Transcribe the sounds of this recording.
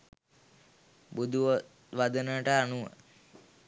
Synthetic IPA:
bud̪ʱuʋə | ʋad̪ənəʈəanuʋə̰

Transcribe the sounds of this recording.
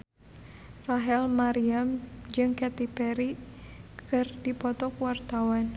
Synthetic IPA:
raɦɛlmaɾiamd͡ʒɨŋkɛt̪ipɛɾikɨrdipɔt̪ɔkwart̪awan

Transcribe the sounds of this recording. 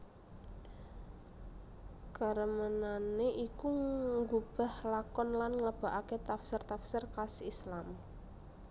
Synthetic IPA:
kəɾəmənaneʔikuŋɡub̥a̤hlakɔnlanŋləb̥a̤ʔaket̪afsɪrt̪afsɪrkasislam

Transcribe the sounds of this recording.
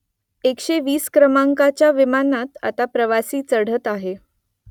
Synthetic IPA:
ekɕeʋiːskɾəmaŋkat͡ɕjaʋimanat̪a̰t̪apɾəʋasiːt͡səɽ̤ət̪aɦe

